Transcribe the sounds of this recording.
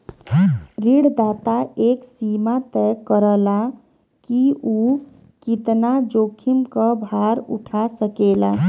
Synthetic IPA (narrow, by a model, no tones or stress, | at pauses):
ɾiɽd̪aːt̪aeksimat̪ɛkːəɾəla | kiu | kit̪nad͡ʒokʰimkəbʱaɾṵʈʰasəkela